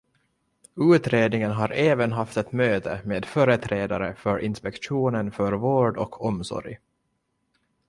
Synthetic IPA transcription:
ʉ̟ːt̪ɾeːd̪nɪŋənɦaɾeːvənɦaft̪ɛt̪møːt̪əmeːd̪fœːɾət̪ʰɾeːd̪aɾəfœɾʔɪnspɛkɧuːnənfœɾvoːɖɔ̰kʰɔmsɔ̰ɾj

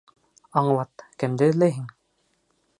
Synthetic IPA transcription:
ɑɴlˠɑt̪kɘ̆md̪ɘlæɦiŋ

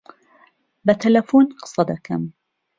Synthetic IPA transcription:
bat̪alafuːnqɑ̥sˤɑd̪ɑka̰m

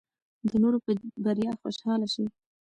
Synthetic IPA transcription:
d̪ənoɾopbaɾjɑxoʃhɑlaʃi

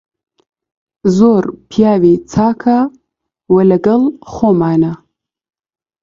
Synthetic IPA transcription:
zoːɾpʰijaːviːt͡sʰaːkʰa | wɐlɐɡɐlxoːmaːnɐ

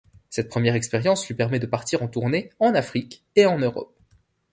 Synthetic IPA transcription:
sɛt̪̚pχəmjɛʁɛkspɛʁjɑ̃slɥipɛʁmɛd̪əpaʁt̪iʁɑ̃t̪uʁneɑ̃nafχik | eɑ̃nøʁɔ̰p̚

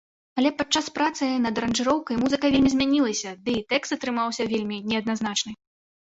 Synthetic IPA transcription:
ɐlʲɛpat͡ʂːaspɾat̪sɨnɐd̪ɾɐnʐɨɾɔwkɐjmuzɨkɐvʲelʲmʲizʲmʲanʲilˠɐsʲɐd̪ɨt̪ɛkst̪ɐt̪ɾɨmawsʲɐvʲelʲmʲinʲɛɐd̪̚naznat͡ʂnɨ

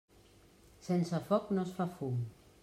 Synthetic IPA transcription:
sɛnsəfɔknosfafum

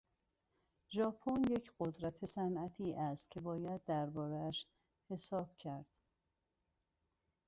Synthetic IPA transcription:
ʒɒːpʰonje̞cʰɢod̪ɾæt̪ʰe̞sænʔæt̪ʰiːʔæst̪cʲʰe̞bɒːjæd̪ːæɾbɒːɾeæʃ | he̞sɒːb̥cʰæɾd̪̥

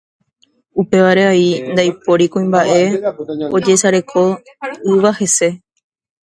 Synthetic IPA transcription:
upe̞ʋaɾe̞aind̪ajpo̞ɾikõĩmbaʔe̞od͡ʒe̞saɾe̞kʰo̞ | ɨʋahe̞se̞

